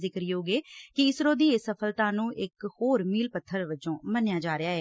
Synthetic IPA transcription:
zɪkəɾjoːɡeːkɪɪsɾõːd̪iːeːsəpʰəlt̪ãːnũːʔɪkhoːɾmiːlpət̪ʰːəɾʋɪt͡ʃõːmənjaːd͡ʒaːɾeaːɦɛː

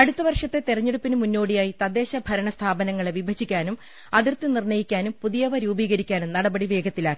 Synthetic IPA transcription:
ɐɽut̪ːɐʋɐrʂɐt̪ːe̞t̪irɐɲːeɽupːinɨmunːo̞ːɽijaːjit̪ɐd̪e̞ːɕɐbʱɐɾɐɳɐst̪ʰaːbɐnɐŋːɐɭeʋibʱɐt͡ɕːikʲːaːnum | ɐðirt̪ːɨnirnɐjikʲːaːnumpuðijɐʋɐɾuːbiːɣɐɾikʲːaːnumnɐɽɐbɐɽiʋe̞ːɡɐt̪ːilaːkːi̥

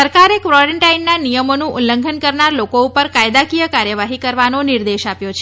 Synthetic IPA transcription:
əɾkaɾekʋɾɔɾəɳʈainːanijəmonũʔunlləŋɡʱənkəɾnaɾlokoupəɾkajd̪akijəkaɾjəʋaɦikəɾʋanoniɾd̪eʃapjot͡ʃʰe

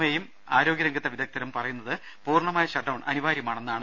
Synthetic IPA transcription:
mɐjjum | a̰ːɾo̞ːɡjɐɾɐŋɡɐt̪ːɐʋid̪ʱɐk̚t̪ʰɐɾɐmpɐrɐjunːɐðɨ | puːrɳɐmaːjɐɕɐʈːɐwɳɐ̰niʋaːɾjɐmaːɳe̞nːaːɳɨ

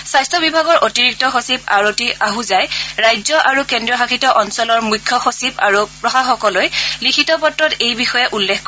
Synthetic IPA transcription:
sajstʰɔbibʱaɡɔɹʔotiɹik̚tɔxosiba̰ɹotiʔaɦuzajɹajzɔʔaɹukɛndɹiɔxakʰitɔʔɔnsɔlɔɹmujkʰːɔxosiba̰ɹupɹɔxaxɔkɔlojlikʰitɔpɔtɹɔtejbixɔjɛʔulːekʰk

